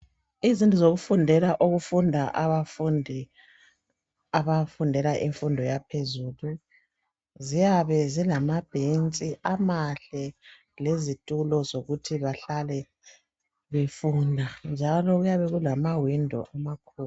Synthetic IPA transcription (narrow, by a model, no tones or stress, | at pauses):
izintʼuzoɣufundʱɛlaʔoɣufundʱaʔaβafundʱɛ | aβafundʱɛlaʔiɱfundʱɔjapʰezuːlu | zijaβɛzilamab̥ʱent͡sʼiʔamaɬɛ | lezitʼulɔzoɣutʰiβaɬalɛ | βefuːndʱand͡ʒʱalɔɣujaβɛɣulamawindʱɔ̰ʔamakʰuːl